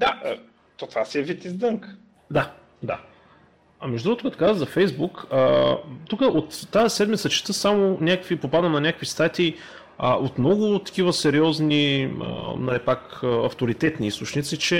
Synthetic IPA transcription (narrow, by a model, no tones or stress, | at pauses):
d̪a | t̪ot̪vasiɛvit̪izd̪ɤŋk | d̪a | d̪a | ɐmɛʒd̪ɾuɡot̪okat̪o̥kazəɣzɐfɛjzbukət̪ukəʔot̪ːazɛsɛd̪mit̪sət͡ʃi̥t̪əsamʊnʲakəkvipopad̪ənɐnʲakəkvist̪at̪ʲi | əʔot̪mnɔɡʊt̪ɐ̥k̟ivəsɛɾiɔzniə̰nɐlipakəɐft̪oɾit̪ɛt̪niist̪ot͡ʃnit̪sit͡ʃɛ